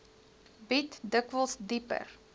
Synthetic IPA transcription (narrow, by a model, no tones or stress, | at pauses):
bitdəkvəlˠsdipə̰r